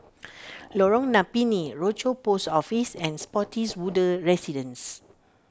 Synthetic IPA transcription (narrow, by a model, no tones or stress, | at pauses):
lɔɹɔ̃ŋnapiniɹot͡ʃopostɔfisɛ̃nspɔtʰiswudəɹɛsidə̃ns